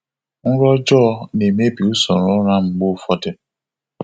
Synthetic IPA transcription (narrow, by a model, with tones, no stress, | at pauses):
n̩˦ɾɔ˦d͡ʒɔ˦ne˨me˦bi˨u˦sɔ˨ɾɔ̃˦ɾã˦ŋ͡m̩˨ɡ͡bo˦fɔ˦tɪ˦